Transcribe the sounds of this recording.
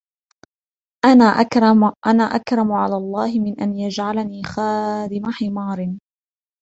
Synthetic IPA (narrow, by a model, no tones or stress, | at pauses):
ʔanaʔʔanaːʔa̰kɾˤɑmʊʕa̰laːlˤːɑːhɪmɪnʔanjad͡ʒʕalaniːxaːd̪ɪmaħɪmɑːɾˤn